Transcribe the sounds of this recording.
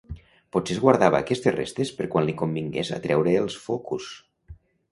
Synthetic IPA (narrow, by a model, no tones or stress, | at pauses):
putsezɣwaɾðaβa̰ːkɛst̪esrḛst̪espəɾkwanlikombiŋɡḛza̰t̪ɾɛwɾeːlˠsfokus